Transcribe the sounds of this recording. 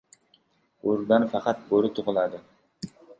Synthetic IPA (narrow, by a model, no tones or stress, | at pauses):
uɾd̪ɑnfɑqʰɑt̪̚boɾɨt̪ʰʊʁʊlˠɑd̪ɨ